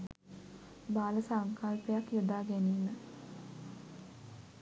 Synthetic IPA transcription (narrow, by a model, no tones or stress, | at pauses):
baːləsaŋkalpejakjud̪aːɡæniːmə